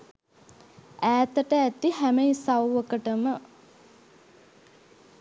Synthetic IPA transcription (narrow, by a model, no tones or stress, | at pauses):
æːt̪əʈəæt̪ihæmejsawʋəkəʈəmə